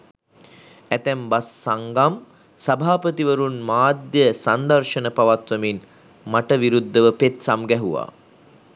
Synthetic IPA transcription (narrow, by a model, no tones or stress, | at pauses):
æt̪æmbasːaŋɡam | sabʱaːpət̪iʋəɾunmaːd̪jəsand̪ɐɾʃənəpaʋat̪ʋəmin | maʈəʋiɾud̪ʱːəʋəpet̪samɡɛɦuʋa̰ː